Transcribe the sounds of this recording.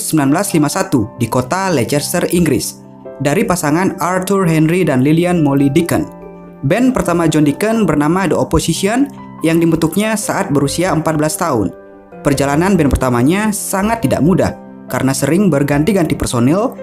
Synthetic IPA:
səmbilanbəlaslimasat̪udikot̪alɛd͡ʒɛrst̪əriŋɡɾɪ̰s | daɾipasaŋanart̪urɦɛnridanlilianmolidikə̰n | bɛnpərt̪amad͡ʒɔndikənbərnamadəoposisiɔn | jaŋdimət̪uk̚ɲasaʔat̪̚bəɾusiaəmpat̪̚bəlast̪aʊ̰n | pərd͡ʒalananbɛnpərt̪amaɲasaŋat̪ːida̰ʔmuda̰h | kaɾənasəɾɪŋbərɡant̪iɡant̪ipərsonɛl

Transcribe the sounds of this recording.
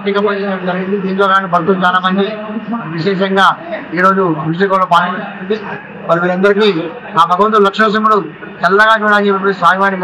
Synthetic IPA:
ʈːikɐmɐt͡ʃesɐʈd͡ʒɐɾiɡind̪id̪iːnt̪oːkaːnibʱɐt̪ːunt͡ʃaːlaːmɐnd͡ʒiʋiʃɛːʃɐŋɡaːiːɾo̞ːd͡ʒuʋiʂ̬ikɐloːpaːlkːɐind̪i | mɐɾiʋiːɾɐnd̪ɐɾik̬iː | aːbʱɐɡɐʋɐnt̪ulɐkʂɐɐs̬imulu | ɛlːɐɡaːt͡ʃuːɽaːlt͡ʃepːep̬ːuisaːjʋaːnik

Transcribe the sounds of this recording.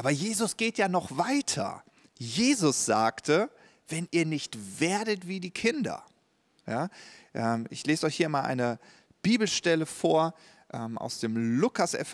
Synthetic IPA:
ʔaːbɐjeːzʊsɡ̥eːtjaːnɔχv̥aɪtʰɐ̰ | jeːzʊsz̥aːktʰə | vɛnʔiːɐnɪçtv̥eːɐdətv̥iːdiːkʰɪndɐ̰ | jaːʔɛːmɪçleːzɔʏçhiːɐmaːlʔa̰ɪnə | b̥iːbl̩ʃtɛləfoːɐ | ʔɛːmʔa̰ʊsd̥eːmlʊkʰasʔɛ̰f

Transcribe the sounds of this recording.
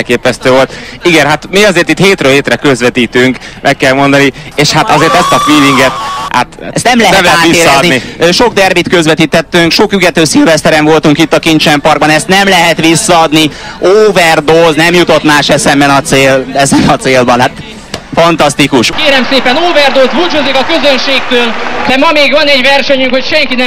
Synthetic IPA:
ɛlkeːpɛst̪øːvo̞lt̪iɡɛnɦat̪miɒzeːrt̪it̪heːt̪ɾøːheːt̪rɛkøzʋɛt̪iːt̪yŋkmʔɛkːɛlmo̞nd̪ɒnieːʃhat̪ɒzeːrt̪ɛst̪ɒkʋiːviŋɡɛt̪ha̰t̪ɛst̪nɛmlɛɦɛɛmlɛɛaːt̪ʋiseːɾːɒd̪niiʃo̞ɡ̚d̪ɛrbit̪køzʋɛt̪iːt̪ɛt̪ːyŋkʃo̞khyɡɛt̪øːsilvɛst̪ɛɾɛɱvo̞lt̪uŋkit̪ːɒkint͡ʃɛmpɒrɡbɒnɛst̪nɛmlɛɦɛt̪ʋisːɒɒd̪nioːvɛrd̪oːznɛmjut̪o̞t̪maːʃɛsɛmbɛnɒt̪seːlɛzɛnɒt̪seːlbɒnhat̪ | fɒnt̪ɒst̪ikuʃkeːɾɛmseːpɛnoːvɛrd̪oːzbut͡ʃoːzikɒkøzønʃeːk̚t̪øːld̪̥ɛmɒmeːɡvɒnɛɟvɛrʃɛɲyŋkhocʃɛŋkinɛ

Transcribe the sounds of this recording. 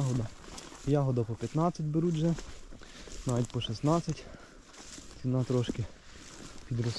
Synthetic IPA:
ɦɔd̪ɐjɑɦɔd̪ɐpɔpʲjɐt̪nɑt͡sʲɐtʲbeɾudʲʒɛ | nɑʋʲitʲpɔʃɛsnɑt͡sʲɐtʲ | t͡s̪ʲinɑt̪ɾɔʃkɪ | pʲid̪ɾɔs

